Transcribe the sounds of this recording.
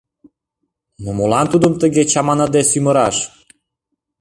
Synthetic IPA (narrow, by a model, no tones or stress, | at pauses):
nomolɑnt̪ud̪əmt̪əɣet͡ɕɑmɑnəd̪esyməɾɑʃ